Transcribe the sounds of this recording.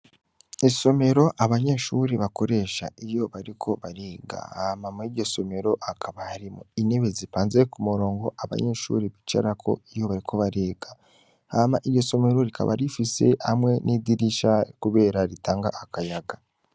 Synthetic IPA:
iso̞me̞ɾo̞ʔaβaɲeːʃuɾeβako̞ɾe̞ʃa̰ijo̞βaɾikʰo̞βaɾeːɡa̰hamamuiɾɟo̞so̞me̞ɾo̞ʔakʰaβahaɾimoine̞βezipaːnzekumuɾo̞ːŋɡo̞ʔaβa̰ɲe̞ʃṵːɾeβit͡ʃa̰ɾakʰo̞̰ijo̞βaɾikʰo̞βaɾeːɡ̥a | hamaʔiɾɟo̞so̞me̞ɾo̞ɾikʰa̰βa̰ɾifise̞̰amŋe̞nidiɾiʃakuβe̞ːɾaɾitaːŋɡaʔakajaɡa

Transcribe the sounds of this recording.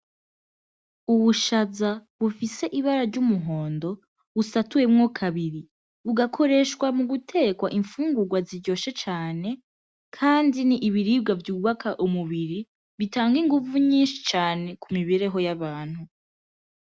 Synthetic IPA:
uβuʃazaβufise̞ʔiβaɾaɾɟumuɦo̞ːndo̞ | βusatuje̞mŋokʰaβiɾi | βuɡakʰo̞ɾe̞ːʃkwamuɡutʰe̞kwaʔiɱfuːŋɡuɡwaziɾɟo̞ːʃet͡ʃaːne̞ | kʰaːndiniʔːβiɾiːb̚ɡavjuːβakʰaʔumuβiɾi | βitaːŋɡiŋɡuvuɲiːnʃi̥t͡ʃaːne̞kumiβeɾe̞ɦo̞jaβaːn̥hu

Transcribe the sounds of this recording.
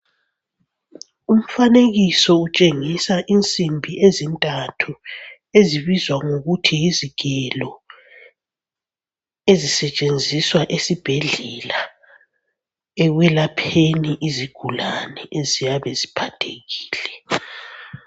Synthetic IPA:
um̩faneɣisɔut͡ʃʼeŋisaʔint͡sʼimbʱiezintʼatʰu | eziβizwaŋoɣutʰijiziɡʱɛlɔ | ezisɛt͡ʃʼend͡zʱiswaʔesib̥ʱeɮɛla | ɛɣwɛlapʰeniʔiziɡ̥ʱulanɛʔezijaβɛzipʰatʰeɣiːlɛ

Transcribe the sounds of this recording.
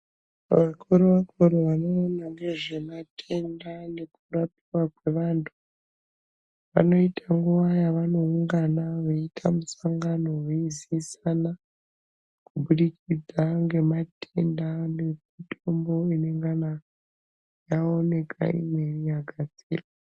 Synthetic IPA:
ʋakʰuɾoʋakoɾoʋano̞ːnaŋɡe̞ʐe̞matʰe̞ndane̞kurapirwakwe̞ʋaːntʰu̥ | ʋa̰no̞itʰaŋɡuʋajaʋano̞uŋɡanaʋeitʰamusaŋɡano̞weizisana | kubuɗikid͡zaŋɡe̞matendane̞mitʰombo̞ine̞ŋɡana | jao̞ne̞kʰa̰ḭmwe̞rijaɡʱad͡zḭːra

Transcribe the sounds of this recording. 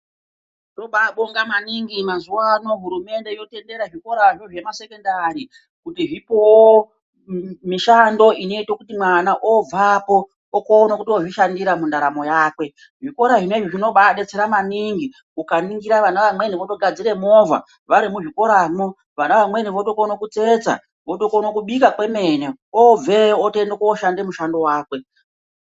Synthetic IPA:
toɓaɓoŋɡamaniŋɡimazuwano̞ɦuɾume̞nde̞ijo̞tende̞ɾaʐiko̞ɾaʐo̞ʐe̞mase̞ko̞ndaɾi | kutiʐipowo | miʃando̞ino̞itokutimwanaʔob͡vapo̞ | okoːnakutio̞ʐiʃandiɾamundaɾamo̞jaːkwe̞ | ʐiko̞ɾaʐineʐiʐino̞ɓaɗet͡seɾamaniŋɡi | ukaniŋɡiɾaʋanaʋamwe̞niʋoto̞ɡʱad͡ziɾe̞mo̞va̰ | ʋaɾimuʐiko̞ɾamo | ʋanaʋamwe̞niʋoto̞kono̞kut͡se̞t͡sa̰ | ʋo̞tokonokuɓikakwe̞me̞neob͡ve̞ote̞ndekoːʃande̞muʃando̞waːkwe̞

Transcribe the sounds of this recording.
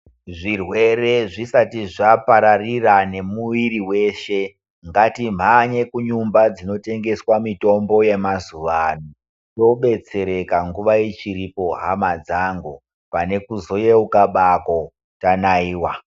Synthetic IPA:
ʐirwe̞re̞ʐisatiʐapaɾarirane̞muʋiɾiwe̞ʃe̞ | ŋɡatim̤aɲekuɲumbad͡zino̞te̞ŋɡe̞swamito̞mbo̞je̞mazuʋanu | to̞ɓe̞t͡se̞ɾe̞kaŋɡuʋaet͡ʃiɾipo̞ɦamad͡zaŋɡu | pane̞kuzo̞jeukaɓako | tanaiːwa

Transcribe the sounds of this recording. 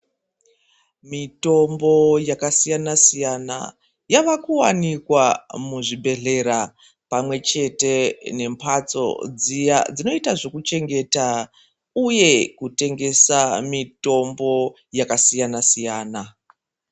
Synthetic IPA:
mito̞mbo̞jakasijanasijana̰ | jaʋakuwa̰nikwamuʐibʱe̞ɮe̞ɾa | pamwe̞t͡ʃe̞te̞ne̞mpʰat͡so̞̰d͡zijad͡zino̞itaʐokut͡ʃe̞ŋɡe̞ta | uje̞kute̞ŋɡe̞samito̞mbo̞ | jakasijanasijaːna

